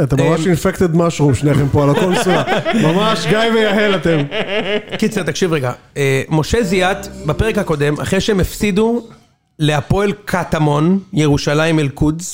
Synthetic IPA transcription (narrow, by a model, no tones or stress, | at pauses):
at̪amamaʃinfekt̪ed̪maʃʁumʃneaχempoalakolsuamamaʃɡajvejaɦelat̪em | kit͡set̪akʃivʁeɡaemo̞ʃe̞zijat̪bapeʁekhako̞d̪e̞ma̰χʁeʃeemefsid̪u | leapo̞elkʰat̪amo̞njeʁuʃalaimelkuz